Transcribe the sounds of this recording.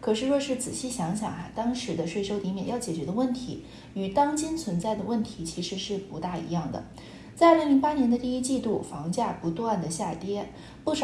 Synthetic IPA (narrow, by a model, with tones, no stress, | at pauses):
kʰɤ˨˩ʂɻ̩˥˧ɻwɔ˥˧ʂɻ̩˥˩t͡sɹ̩˨˩ɕi˥˩ɕjɑ˧˥ŋɕjɑ̰˨˩ŋa˧˥˩t̪ɑ˥ŋʂɻ̩˧˥d̪ə˧ʂwe˥˩ɪʂo˥ʊt̪i˧˥mjɛ˨˩njɑ˥˩ʊt͡ɕjɛ˨˩t͡ɕɥɛ˧˥d̪ə˧wə˥˩nt̪ʰi˧˥ | ny˨˩t̪ɑ˥ŋt͡ɕi˥nt͡sʰwə˧˥nt͡sa˥˩ɪd̪ə˩wə˥˩nt̪ʰi˧˥t͡ɕʰi˧˥ʂɻ̩˧˥ʂɻ̩˥˩pu˧˥t̪a˥˩ḭ˧˥jɑ˥˩ŋd̪ə̰˩ | t͡sa˥˧ɪ˥˩li˧˥ŋpa˥njɛ˧˥nd̪ə˧t̪i˥˧i˥t͡ɕi˥˧t̪u˥˩fɑ˧˥ŋt͡ɕja˥˩pu˧˥t̪wa˥˩nd̪ə˩ɕja˥˩t̪jɛ˥ | pu˥˩ʂ